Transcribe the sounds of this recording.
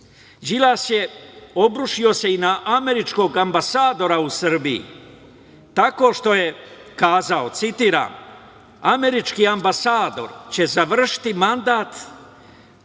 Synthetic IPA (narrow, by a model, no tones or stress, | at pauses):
d͡ʒilasje̞o̞bɾuʃio̞se̞inaʔame̞ɾit͡ʃko̞ɡambasaːd̪o̞ɾausr̩biḭ | t̪ako̞ːʃt̪o̞je̞ | kaːzao̞t̪sit̪iːɾa̰ːm | ame̞ɾit͡ʃkiːambasaːd̪o̞̰ɾt͡ɕe̞zaʋr̩ʃi̥t̪imand̪aːt̪